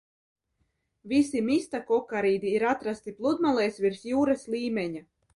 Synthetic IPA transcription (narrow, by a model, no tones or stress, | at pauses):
visimist̪akɔkaɾiːd̪iiɾat̪ɾast̪iplˠud̪malˠɛjsvʲiɾsjuːɾaslʲˠiːmɛɲa